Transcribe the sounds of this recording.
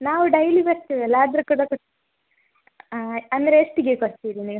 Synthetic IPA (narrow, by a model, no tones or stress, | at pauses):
naːʋuɖɐjlibɐɾt̪iʋɛlːaːd̪ɐɾukːuːɽakoʈ̪ | ɐnd̪ɐɾeːʂʈiɡekoɽt̪iːɾiniɡ